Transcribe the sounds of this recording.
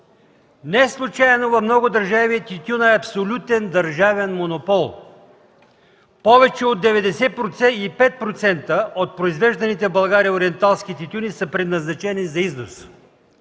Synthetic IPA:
nɛslˠut͡ʃajɛnovɐfmnɔɡʊd̪əɾʒaviɛt̪ʲit̪ʲunɛɐpsolʲut̪ɛnd̪ɐɾʒavɛnmonopɔlˠ | pɔvɛt͡ʃɛod̪ːɛvɛd̪ɛsɛpɾot̪sɛipɛt̪̚pɾot̪sɛnt̪əʔot̪̚pɾoizvɛʒd̪ɐnit̪ɛbɐlˠɡaɾiəoɾiɛnt̪alˠsk̟it̪it̪ʲunisəpɾɛd̪nɐznɐt͡ʃɛnizɐiznos

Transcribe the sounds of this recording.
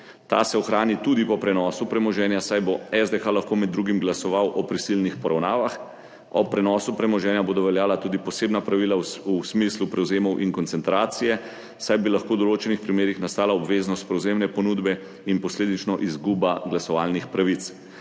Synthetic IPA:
t̪a̰sɛɔxɾaːnit̪ud̪ipɔpɾɛnɔːsupɾɛmɔʒɛːnjasajboɛzd̪exalaxkoːmɛd̪dːɾuːɡimɡlasɔʋawʔɔpɾisilnixpɔɾawnaːʋax | ɔpɾɛnɔsupɾɛmɔʒɛːnjaboːd̪ɔʋɛljaːlat̪uːd̪ipɔseːbnapɾaʋilausmislupɾɛwzeːmɔwʔiŋkɔnsɛnt̪ɾaːt̪sijɛ | sajbilaxkoːwd̪ɔloːt͡ʃɛnixpɾimeːɾixnast̪aːlaɔbʋeːznɔst̪̚pɾɛwzeːmnɛpɔnuːd̪bɛ | inpɔsleːd̪it͡ʃnɔʔizɡuːbaɡlasɔʋaːlnixpɾaʋit̪s

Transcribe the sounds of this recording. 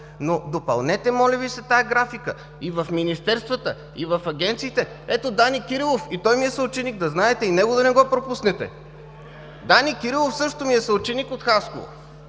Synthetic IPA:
nod̪opɐlˠnɛt̪ɛmɔlʲəvisɛt̪ajɐɡɾafikə | ivɐfminist̪ɛɾst̪vət̪ə | ivɐfɐɡʲɛnt̪siːt̪ɛ | ɛt̪od̪anikʲiɾilˠofit̪ɔjmiɛsɐʊt͡ʃɛniɡ̚d̪ɐznaɛt̪ɛinɛɡod̪ɐnɛɡɔpɾopusnɛt̪ɛ̰ | d̪anikiɾilˠofsɤʃt̪omiɛsɐut͡ʃɛnikot̪xasko̰vo̰

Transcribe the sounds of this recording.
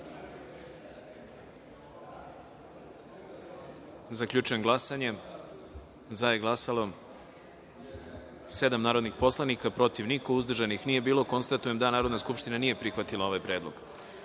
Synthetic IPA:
zakʎʲut͡ʃujemɡlˠasaɲe̞ | zajeɡlˠasalo̞ | se̞d̪amnaːɾo̞d̪nixpo̞slˠanikapɾo̞t̪iʋnikouzd̪r̩ʒanixnije̞biːlˠoko̞nst̪at̪uje̞md̪anaːɾo̞d̪naskupʃt̪inanije̞pɾixʋat̪ilˠao̞ʋajpɾe̞ːd̪lˠo̞̰ɡ̥

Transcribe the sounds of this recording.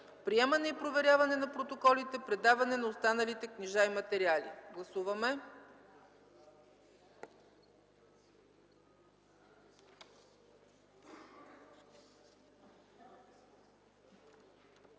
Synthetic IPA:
pɾiɛmɐnɛipɾovɛɾʲjavɐnɛnɐpɾot̪okɔlit̪ɛpɾɛd̪avɐnɛnɐost̪anəlit̪ɛkniʒaimɐt̪ɛɾialḭɡlˠɐsuvɐmɛ

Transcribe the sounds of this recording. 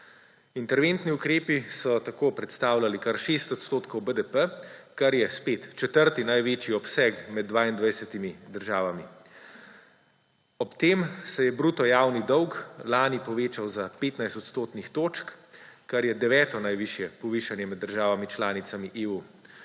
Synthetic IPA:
int̪ɛɾʋent̪niukɾeːpisɔt̪akoːpɾɛt̪st̪aːwlalikaɾʃeːst̪ɔt̪st̪oːt̪kɔwbəd̪əpəkaɾjɛspeːt̪t͡ʃɛt̪əɾt̪inajʋeːt͡ʃiɔpsɛkmɛd̪̚ːʋaːind̪ʋajsɛt̪imid̪əɾʒaːʋami | ɔpt̪eːmsɛjɛbɾut̪ɔjaːwnid̪ɔwklaːnipɔʋeːt͡ʃawzapeːt̪najst̪ɔt̪st̪oːt̪nixt̪oːt͡ʃkkaɾjɛd̪ɛʋɛːt̪ɔnajʋiʃjɛpɔʋiʃanjɛmɛd̪ːəɾʒaːʋamit͡ʃlaːnit̪samiʔeːu

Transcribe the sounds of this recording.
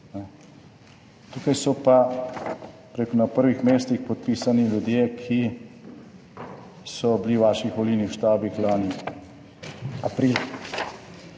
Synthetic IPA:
nɛ | t̪uːkajsɔpa | pɾeːkunapəɾʋixmeːst̪ixpɔt̪̚piːsaniljud̪jeːkʰi | sɔbliwʋaːʃixʋɔlinixwʃt̪aːbixlaːni | apɾiːl

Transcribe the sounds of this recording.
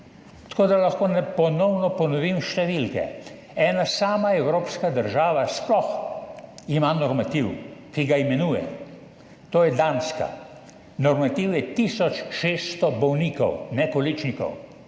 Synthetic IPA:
t̪ḁkoːd̪alaxkoːnɛpɔnɔwnɔpɔnɔʋimʃt̪ɛʋilkɛ̰ | ɛːnasaːmaɛwɾoːpskad̪əɾʒaːʋasplɔx | imanɔɾmat̪iwkiɡaimɛnuːjɛ̰ | t̪oːjɛd̪anska̰ | nɔɾmat̪iwjɛt̪iːsɔt͡ʃʃeːst̪ɔbɔwniːkɔ̰wnɛkɔlit͡ʃnikɔ̰w

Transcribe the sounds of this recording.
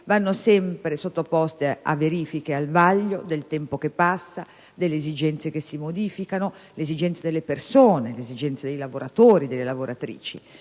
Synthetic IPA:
vanːosɛmpɾesot̪ːopɔst̪ea̰vːeɾiːfikealvaʎːod̪elt̪ɛmpokepːasːa | d̪elːeezid͡ʒɛnt̪sekesːimod̪iːfikano | lezid͡ʒɛnt̪sad̪elːepersoːnelezid͡ʒɛnt̪sad̪ejlavoɾat̪oːɾid̪elːelavoɾʔat̪ɾḭːt͡ʃḭ

